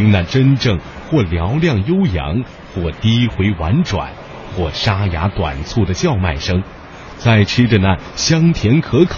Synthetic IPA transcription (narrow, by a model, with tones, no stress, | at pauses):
i˧˥ŋna˥˩ʈ͡ʂə˥nʈ͡ʂɤ˥˩ŋ | xwɔ˥˩ljɑ˧˥ʊljɑ˥˩ŋjo˥ʊjɑ̰˧˥ŋ | xwɔ˥˩t̪i˥xwe˧˥ɪwa̰˧˥nʈ͡ʂwa̰˨˩˦n | xwɔ˥˩ʂa˥ja˧˥t̪wa̰˨˩nt͡sʰu˥˩d̪ə˩t͡ɕjɑ˥˧ʊma˥˩ɪʂɤ˥ŋ | t͡sa˥˩ɪʈ͡ʂ̩ʰ˥ʈ͡ʂə˧na˥˩ | ɕjɑ˥ŋt̪ʰjɛ˧˥nkʰɤ˧˥kʰ